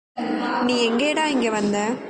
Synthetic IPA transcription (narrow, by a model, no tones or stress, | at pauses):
nĩːɛŋɡeːɽaːɪŋɡeʋɐnd̪ɐ